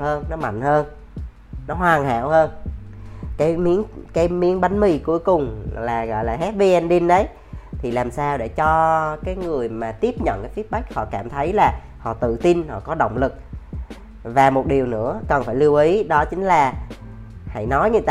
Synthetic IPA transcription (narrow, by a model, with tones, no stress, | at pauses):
həː˧nnɔ˨˦ma̰˧˨jŋ̟həː˧n | nɔ˨˦ɦwaː˨˩nɦa̰ː˧˨whəː˧n | kaː˨˦jmi˨˦ənkaː˨˦jmi˨˦ənɓa˨˦ŋmi˧˨ku˨˦əjkʊ˨˩ŋ͡mlaː˨˩ɣɔ̰˧˨jlaː˨˩ɦɛ˦˥t̚vi˧ʔɛ˧nɗi˧nɗə˨˦j | t̪ʰi˨˩laː˨˩msaː˧wɗḛ˧˩t͡ɕɔ˧kaː˨˦jŋɨ˨˩əjmaː˨˩t̪i˦˥əp̚ɲə̰˧˨nkaː˨˦jfi˦˥t̚ɓa˦˥k̚hɔ̰˧˨kaː˧˩mt̪ʰə˨˦jlaː˨˩ | hɔ̰˧˨t̪ɨ̰˧˨t̪i˧nhɔ̰˧˨kɔ˨˦ɗə̰˧˨wŋ͡mlɨ˨˩k̚ | vaː˨˩mo˨˩t̚ɗi˨˩əwnɨ̰˧˥əkə˨˩nfaː˧˩jli˧əwʔi˨˦ɗɔ˨˦t͡ɕï˨˦ŋ̟laː˨˩ | ha̰˧˩jnɔ˨˦jɲɨ˧t̪ː